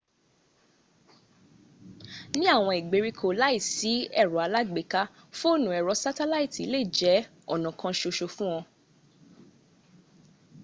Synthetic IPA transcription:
nĩ˦a˦˨w̃ɔ̃˧i˨ɡ͡be˧ɾi˧kʰo˨la˦i˦˨si˨˦ɛ˦˨ɾɔ˨˦a˧la˦ɡ͡be˨ka˦ | fo˦˨nũ˨ɛ˨ɾɔ˨˧sa˦tɛ˦la˦i˦˨ti˨˦le˦˨d͡ʒɛ˨˦ | ɔ˦˨nɔ̃˨kʰã˧ʃo˧ʃo˧fũ˦w̃ɔ̃˧

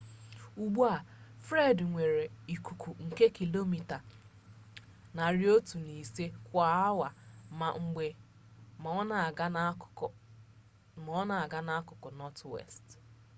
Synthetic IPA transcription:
u˨ɡ͡bu˦a˨fɾe˦˨dŋʷe˨ɾe˨i˨ku˨kʰʷu˨ŋ̩˨ke˦ki˨lo˦mi˨ta˨ | na˨ɾjo˦tu˨ni˨se˦kʷa˨˦a˦wa˨ma˨ŋ͡m̩˨ɡ͡be˨ | m˨˦na˨˦ | mɔ˦na˨ɡa˦na˦a˦kʊ˨kɔ˨nɔ˦twḛ˦˨st

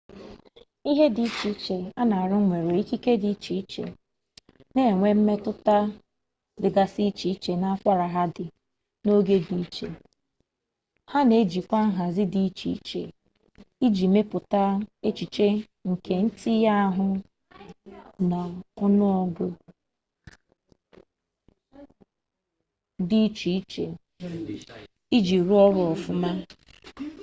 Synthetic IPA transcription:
i˦ɦe˦di˨i˦t͡ʃi˦t͡ʃe˨a˦na˨a˨ɾʊ˦ŋʷe˨ɾe˨i˦ki˦ke˦di˨i˦t͡ʃi˨i˦t͡ʃḛ˨ | ne˦˨ŋʷe˦m̩˦me˦tʊ˦ta˦ | dɪ˨ɡa˨si˦t͡ʃi˨i˦t͡ʃe˨na˦a˦kʷa˦ɾa˨ɦa˦dɪ˨ | no˦ɡe˦di˨˦t͡ʃḛ˨ | ha˦ne˨˦d͡ʒi˨kʷa˦ɦa˨zɪ˦di˨˦t͡ʃḭ˨˦t͡ʃḛ˨ | i˦d͡ʒi˨me˦pʊ˨ta˦e˦t͡ʃi˨t͡ʃe˦ | ŋ̩˨ke˨n̩˦ti˦ja˦a˦ɦʊ˦ | na˨ɔ˦nʊ˦ɔ˦ɡʷʊ˦ | di˦t͡ʃi˨i˦t͡ʃe˨ | i˦d͡ʒi˨ɾu˦ɔ˦ɾʊ˨ɔ˨fʊ˦ma˦

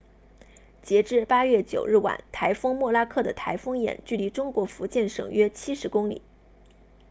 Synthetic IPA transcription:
t͡ɕjɛ˧˥ʈ͡ʂɻ̩˥˩pa˥ɥɛ˥˩t͡ɕjo˨˩ʊɻ̩˥˩wa̰˨˩˦nt̪ʰa˧˥ɪfɤ˥ŋmwɔ˥˩la˥kʰɤ˥˩d̪ə˩t̪ʰa˧˥ɪfɤ˥ŋjɛ̰˨˩nt͡ɕy˥˩li˧˥ʈ͡ʂʊ˥ŋkwɔ˧˥fu˧˥t͡ɕjɛ˥˩nʂɤ̰˨˩ŋɥɛ˥t͡ɕʰi˥ʂɻ̩˧˥kʊ˥ŋlḭ˨˩˦

